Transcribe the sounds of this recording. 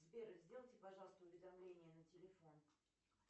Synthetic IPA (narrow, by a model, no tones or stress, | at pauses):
zbʲeɾɨzʲdʲelˠtʲɪpɐʐɑlˠəst̪əʊvʲɪd̪ɐmlʲenʲɪjənətʲɪlʲɪfo̞n